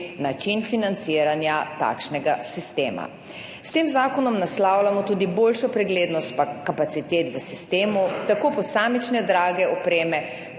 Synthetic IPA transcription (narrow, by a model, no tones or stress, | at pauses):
nat͡ʃinfinant̪siːɾanjat̪a̰ːkʃnɛɡasist̪eːma̰ | st̪eːmzaːkɔnɔmnaslaːwlamɔt̪uːd̪iboːlʃɔpɾɛɡleːd̪nɔst̪̚pakapat̪sit̪eːt̪ʋəsist̪eːmut̪akoːpɔsaːmit͡ʃnɛd̪ɾaːɡɛɔpɾeːmɛ